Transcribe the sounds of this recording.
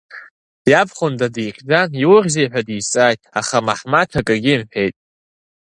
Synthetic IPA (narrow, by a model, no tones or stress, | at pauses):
jabχʊndadijχʲd͡zaniwʊrʲzejħʷᶣadisʼaːjtʼaχamaħmatʰakʼaɡʲɪmħʷᶣejtʼ